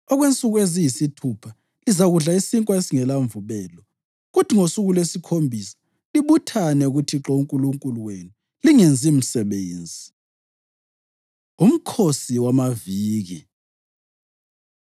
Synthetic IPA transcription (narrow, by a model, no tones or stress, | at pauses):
ɔɣwent͡sʼuɣuezijisitʰupʰa | lizaɣuɮaisiŋkʼwaesiŋɛlaɱvuβɛːlɔ | ɣutʰiŋosuɣulwesikʰombʱisḁ | liβutʰanɛuɣutʰiǁouŋkʼuluŋkʼuluwenu | liŋind͡zʱim̩sɛβeːnd͡zʱi | um̩kʰosiwamaviːɣi